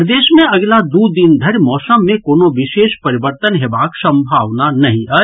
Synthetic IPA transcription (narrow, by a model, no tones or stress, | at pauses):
d̪eːʃmẽɐɡlad̪ud̪ind̪ʱəɾjmɔːsəmːẽkoːnoʋɪʃeːʃpɐɾibəɾt̪ənɦeːbaːksə̃mbʱaːʋnanɐɦĩə